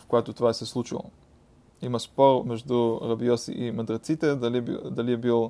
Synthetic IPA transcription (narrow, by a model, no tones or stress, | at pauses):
fkojat̪ot̪ovaɛsɛslˠut͡ʃḭlˠo̰ | imɐspɔɾmɛʒd̪uɾɐbiɔsḭʔimɐd̪ɾɐt̪sit̪ɛld̪ɐliɛbilˠ